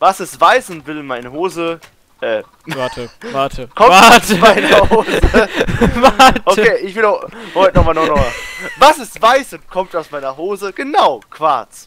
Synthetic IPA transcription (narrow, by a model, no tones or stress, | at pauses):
vasɛstv̥aɪsʊntv̥ɪlmaɪnəɦoːzə | ʔɛː | təvatʰəkʰɔmamaɪnəoːzəvaʔokʰeːʔɪçv̥ɪlaotnɔmaːnɔχnɔχmavasɪstv̥aɪsʊntkʰɔmtaʊsmaɪnɐɦoːzəɡ̥ənaʊkʰv̥aɐt͡s